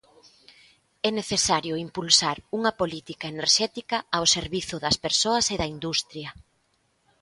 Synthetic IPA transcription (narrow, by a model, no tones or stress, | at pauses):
ɛneθesaɾjʊimpulsaɾuŋɐpolit̪ikɐeneɾʃɛt̪ikɐːwseɾβiθʊðɐspeɾsoɐseðɐind̪ust̪ɾjɐ